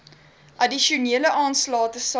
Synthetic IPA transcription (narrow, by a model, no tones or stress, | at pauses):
ʔɐdiʃuniələʔɑːnslɑːtəs